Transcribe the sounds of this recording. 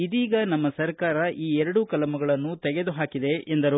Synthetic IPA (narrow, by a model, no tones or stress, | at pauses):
id̪iːɡɐnɐmːɐsɐɾkaːɾɐʔiːɛɾɐɽukɐlɐmɐɡɐɭɐnːut̪ɛɡe̞d̪uɦaːkid̪e̞ʔend̪ɐɾu